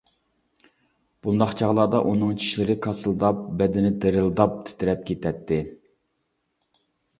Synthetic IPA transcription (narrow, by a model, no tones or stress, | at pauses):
b̥und̪ɑχt͡ʃʰɑʁlˠɑːd̪ɑʔunɨŋt͡ʃʰi̥ʃlɪɾɪkʰɑsɨlˠd̪ɑp̚bɛd̪ɪnɪd̪eɾɨlˠd̪ɑp̚t̪ʰɪ̥t̪ʰɪɾɛp̚kʲʰet̪ʰɛt̪ʰːɪ